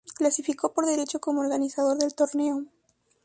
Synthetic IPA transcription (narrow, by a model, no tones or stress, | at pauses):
klasifiko̞po̞ɾðe̞ɾe̞t͡ʃo̞ko̞mooɾɣanisaðo̞ɾðe̞lt̪o̞ɾne̞o